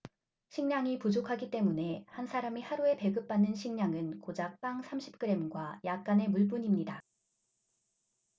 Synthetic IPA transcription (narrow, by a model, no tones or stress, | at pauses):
ɕʰiŋɲaŋipud͡ʑokʰaɡit͈e̞mune̞hansʰaɾamihaɾue̞pe̞ɡɯp̚p͈anːɯnɕʰiŋɲaŋɯnkod͡ʑak̚p͈aŋsʰamɕʰi̥p̚k͈ɯɾe̞mɡwajak̚k͈ane̞muɭpuɲimɲida